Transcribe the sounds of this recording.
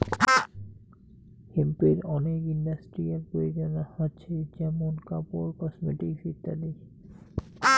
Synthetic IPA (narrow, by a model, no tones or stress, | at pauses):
hempiɾɔnekiɳɖasʈɾijalpɾojod͡ʑonahotːɕʰed͡ʑɛmonkapoɾkɔsmeʈiksit̪ːa̰li